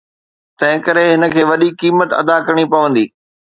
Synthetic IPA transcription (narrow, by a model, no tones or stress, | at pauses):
t̪ɐ̃ɦɪ̃kɐɾeɦɪnə̆kʰeːʋɐɗikiːmət̪ɐ̰d̪akɐɾɽ̃ipɐʋə̃nd̪iː